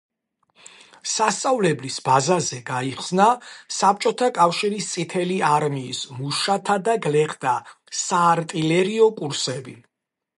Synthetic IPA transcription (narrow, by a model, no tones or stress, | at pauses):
sast̪sʼavlɛblisbazazɛɡaiχsnasap̚ʰt͡ʃʼɔt̪ʰakʼafʃiɾist̪sʼit̪ʰɛliaɾmiːsmuʃat̪ʰad̪aɡlɛχd̪a | saːɾt̪ʼilɛɾiɔkʼuɾsɛbi